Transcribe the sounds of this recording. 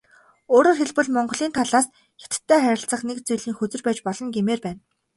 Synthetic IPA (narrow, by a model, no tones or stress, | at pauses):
oːɾoːrxeɮpɘ̆ɮmɔɴɢɞ̆ɮiːnt̪ʰaɮaːs | xe̥t̪̆t̪ʰːæːχæɾʲɪ̆ɬt͡sə̆χnekt͡sujɮiːŋxɵt͡sɵ̆rpæːt͡ɕpɔɮɞ̆ŋɡemeːrpæːn